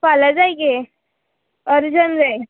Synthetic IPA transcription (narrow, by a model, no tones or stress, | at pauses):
paləd͡zajɡe | əɾd͡ʑənd͡zaj